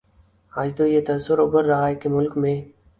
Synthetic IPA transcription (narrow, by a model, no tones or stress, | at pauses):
aːd͡ʒd̪oːjet̪ɐsːʊɾʊbəɾːɐɦaːekemʊlkmẽː